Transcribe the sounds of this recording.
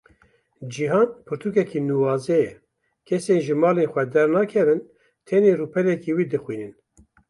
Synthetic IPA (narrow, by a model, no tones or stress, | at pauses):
d͡ʒiɦɑːnpʰɨɾt̪ʰukɛkinuːwɑːzɛjɛ | kʰɛseːnʒɨmɑːleːnxʷɛd̪ɛɾnɑːkʰɛvɨn | t̪ʰɛneːruːpʰɛɾɛkiːwiːd̪ɨxwiːnɨn